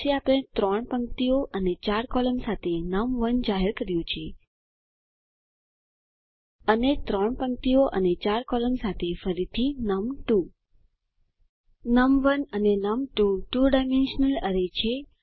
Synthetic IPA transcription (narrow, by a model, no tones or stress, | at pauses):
ʃeapɽ̃et̪ɾɔɳpəŋk̚t̪ioʔənet͡ʃaɾkɔləmsat̪ʰenəmʋənd͡ʒaɦeɾkəɾjũt͡ʃʰe | ənet̪ɾɔɳpəŋ̚t̪ioʔənet͡ʃaɾkɔləmsat̪ʰefəɾit̪ʰinəmʈu | nəmʋənənenəmʈuʈuɖajmenʃənələɾet͡ʃʰe